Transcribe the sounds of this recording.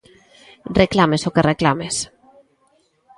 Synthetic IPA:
reklamesokereklames

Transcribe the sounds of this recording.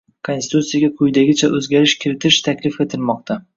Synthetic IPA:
kʰonʲsɪ̥t̪ut̪sijaɡʲaqʰʊjd̪aɡʲɪt͡ʃʰaʔɵzɡʲaɾɪʃkʲʰɪɾɪt̪ʰɪʃt̪ʰakʲlɪfe̞t̪ʰɪlmɒq̚t̪ʰa

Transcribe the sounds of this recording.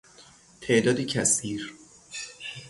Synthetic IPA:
t̪ʰeʔd̪ɒːd̪icʰæsiːɾ

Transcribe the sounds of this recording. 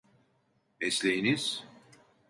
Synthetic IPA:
ɛslʲejiniz̥

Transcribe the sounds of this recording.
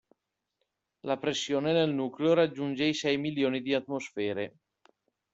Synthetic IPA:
lapɾesːjoːnenelnuːkleoɾad͡ʒːund͡ʒeisɛjmiljoːnid̪iat̪mosfɛːɾe

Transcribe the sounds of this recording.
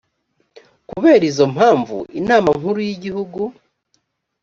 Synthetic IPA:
kuβe̞ːɾizo̞mhaːɱvṵʔinaːmaŋ̥huɾujiɟihuɡu

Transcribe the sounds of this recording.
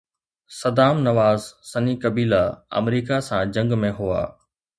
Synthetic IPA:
sɐd̪aːmnɐʋaːzsɐnikɐbiːlaɐ̰mɾiːkasãd͡ʑɐ̃ŋɡmẽɦua̰ː

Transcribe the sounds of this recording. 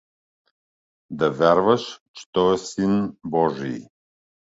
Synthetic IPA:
d̪ɐvʲaɾvəʃt͡ʃɛ̥t̪ɔɛsinbɔʒḭj

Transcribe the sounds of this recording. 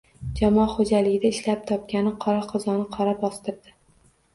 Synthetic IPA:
d͡ʒamɒχod͡ʒalɪɡʲɪd̪aɪʃlap̚t̪ʰɒp̚kʲanɪqʰɒɾaqʰɒzɒnɪqʰɒɾabɒst̪ɪɾd̪ɪ

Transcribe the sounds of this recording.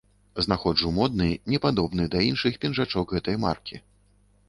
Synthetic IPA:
znaxɔʐumɔd̪nɨnʲɛpad̪ɔbnɨd̪ɐinʂɨxpʲɛnʐat͡ʂɔkɣɛt̪ɐjma̰rkʲi

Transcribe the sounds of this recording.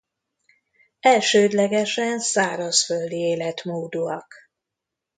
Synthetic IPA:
ɛlʃøːd̪lɛɡɛʃɛnsaːɾɒsføld̪ieːlɛt̪moːd̪uɒk

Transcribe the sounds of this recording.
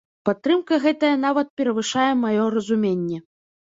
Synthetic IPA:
pat̪ːɾɨmkɐɣɛt̪ɐjɐn̪avɐt̪̚pʲɛɾɐvɨʂajɛmajɔɾɐzumʲenʲːɛ

